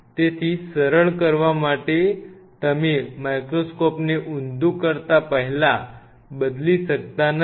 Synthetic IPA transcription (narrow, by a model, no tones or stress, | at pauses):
t̪et̪ʰiːsəɾəɭkəɾʋamaʈet̪əmimajkɾoskɔpneʔund̪ukəɾt̪apəɦila | bəd̪liːsək̚t̪an